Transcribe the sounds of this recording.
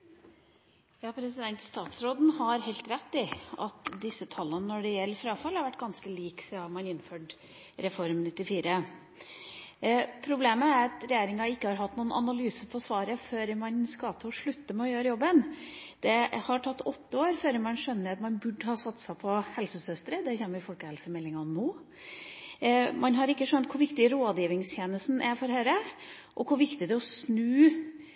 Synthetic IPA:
jɑːpʰɾɛsɪd̪ɛnt̪st̪ɑːt̪sɾoːd̪n̩hɑɾhɛɪlt̪ɾɛt̪ːɪɑ̰t̪d̪ɪsːət̪ʰɑlːənənɔɖɛjɛlːəɾfɾɑːfɑlhɑɾʋæʈːɡɑnskəliːksɔɑmɑnɪnːføːɖ | ɾɛfɔɾmnɪt̪ːɪfiːɾə | pʰɾʊbleːməæɾɑt̪ɾɛjeːɾɪŋɑɪkːəhɑɾɦɑt̪ːnuːənɑ̰nɑlyːsəpʰɔsʋɑːɾəføːɾmɑnskɑt̪ʰəɔʂɭʉt̪ːəmɛɔjøːɾəjɔbːənd̪̥ɛhɑʈʰɑt̪ːɔt̪ːəoːɾføːɾəmɑnʂœnːəɾɑt̪mɑnbʉɖhɑːsɑt̪ːsæpʰɔhɛlsəsœst̪ɾəd̪ɛçɛːnəʋɪfɔlkəhɛlsəmɛlːɪŋɑnoː | mɑnɦɑɾɪkːəʂœnt̪̚kʰʊɾʋɪkt̪ɪɾoːd̪jiːʋɪŋst̪ʰjeːnəst̪n̩ʔæɾfɔɾhæːɾə | ʔɔkʰʊʋɪkt̪ɪd̪ɛɔsnʉː

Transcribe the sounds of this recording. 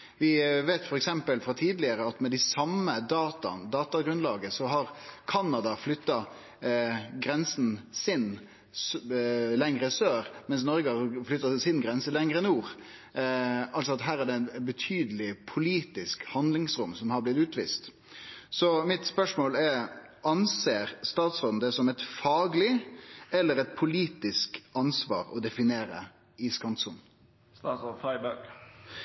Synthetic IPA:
ʋɪʋeːt̪fɔɾɛksɛmpəlfɾɑt̪ʰiːd̪lɪəɾəɑt̪mɛd̪ɪsɑmːəd̪ɑːt̪ɑ̰nd̪ɑːt̪ɑɡɾʉnlɑːɡəsɔɦɑɾkʰɑnːɑd̪ɑflʏt̪ːɑ | ɡɾɛnsnsɪn | slɛŋɾəsøːɾmɛns̬nɔɾɡəhɑflʏt̪ːɑsɪnɡɾɛnsəlɛŋɾəɛnuːɾ | ɑlsɔɑt̪ɦæːɾæɖ̪ɛnbət̪ʰyːd̪əlɪpʰʊliːt̪ɪskhɑnd̪lɪŋsɾʊmsɔmhɑɾblɪt̪ʉːt̪ʋḭːst̪ | sɔmɪt̪spœʂmoːlɛɾ | ɑnseːɾst̪ɑːt̪sʁoːd̪n̩d̪ɛsɔmɛt̪fɑːɡlɪɛlːəɾɛt̪̚pʰʊliːt̪ɪskɑnsʋɑ̰ːɾɔ̰d̪ɛfɪneːɾə̰ | ɪskɑnt̪sʊn | ɑfɑɪbæɡ

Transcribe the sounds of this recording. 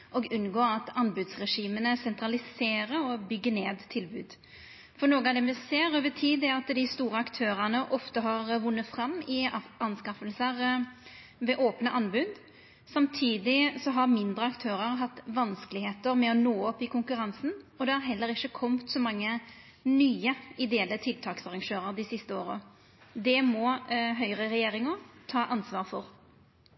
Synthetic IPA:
ʔɔɡʉnɡoːɾɑt̪ɑnbʉd̪sʁɛʂiːmənəsɛnt̪ɾɑlɪseːɾəɔbʏɡːəneːd̪t̪ʰɪlbʉːd̪ | fɔnoːɡəɑd̪ɛmɛseːɾøːʋət̪ʰiːd̪ɛɑt̪d̪ɪst̪uːɾəɑkt̪ʰøːɾənəʔɔft̪əɦɑɾʋʊnːəfɾɑmːɪɑnskɑfəlsəɾ | ʋɛʔoːpnəʔɑnbʉd̪ | sɑmt̪ʰiːd̪ɪsɔɦɑʁmɪnd̪ɾəɑkt̪ʰøːɾəʁɦɑt̪ːʋɑnskəlɪheːt̪əɾmɛɔnoːɔpːɪkʰʊŋkʉʁɑnsn̩ɔd̪ɛæɾɦɛlːəɾɪçːəkʰɔmt̪sɔmɑŋːə | nyːəɪd̪eːlət̪ʰɪlt̪ʰɑːksɑʁɑŋʃøːɾəʁd̪ɪsɪst̪əoːɾə̰ | d̪ɛmɔɦœʏʁəʁɛjeːɾɪŋəɾt̪ʰɑːʔɑnsʋɑːʁfɔɾ

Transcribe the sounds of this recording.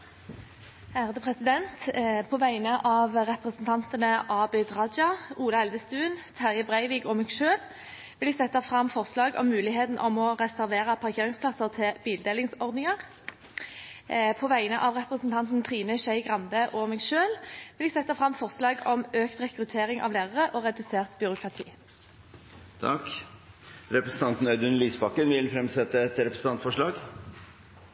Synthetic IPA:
hæːʁd̪əpʰʁɛsɪd̪ɛntt̪pʰoːʋæɪnəʔɑːʋʁɛpʁəsənt̪ʰɑnt̪ənəʔɑːbɛd̪ʁɑd͡ʒɑuːlɑɛlʋəst̪ʉːnt̪ʰæʁjəbʁæɪʋiːɡɔmɛːɡʃøːl | ʋɪlɛɡsɛt̪ːɑfʁɑmfɔʁslɑːɡɔ̰mːʉːlɪɦeːt̪n̩ʔɔ̰mɔʁɛsæʁʋeːʁɑpʰɑʁkʰeːʁɪŋspʰlɑsəʁt̪ʰɪb̥iːld̪eːlɪŋsɔʁd̪nɪŋɑʁ | pʰoːʋæɪənəʔɑːʋʁɛpʁəsnt̪ʰɑnt̪n̩t̪ʰʁiːnəʃæɪɡʁɑnbəʔɔːmɛːɡʃøːlʋɪlɛɡsɛt̪ːɑfʁɑmfɔʁslɑːɡɔmøːkt̪ʁɛkʁʉt̪ʰeːʁɪŋʔɑ̰ʋleːʁəʁəʔoːʁɛd̪ʉseːʁt̪bʏʁʊkʰʁɑt̪ʰḭː | t̪ʰɑk | ɾɛpɾəsn̩t̪ɑnt̪n̩œʏd̪ʉnliːsbɑkːənʋɪlfɾɛmsɛt̪ːəɛt̪ɾɛpɾəsn̩t̪ɑnt̪fɔʂɭɑːɡ

